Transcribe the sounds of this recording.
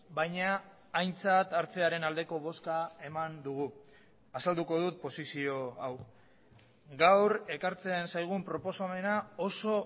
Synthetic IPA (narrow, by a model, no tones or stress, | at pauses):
bajɲaː | jnt͡sat̪aɾt͡se̞aɾe̞nald̪e̞ko̞β̞o̞skae̞mand̪uɣu | asald̪uko̞ð̞ut̪̚po̞sisio̞aw | ɡawɾe̞kaɾt͡se̞nsajɣ̞umpɾo̞po̞soame̞nao̞so̞